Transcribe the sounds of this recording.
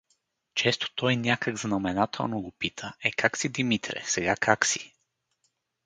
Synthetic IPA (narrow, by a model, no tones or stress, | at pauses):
t͡ʃɛst̪o̥t̪ɔjnʲakəɡznɐmɛnat̪ʰɛ̰lˠnoɡopit̪ʰəɛkaksid̪imit̪ɾɛ̰sɛɡakʰaksi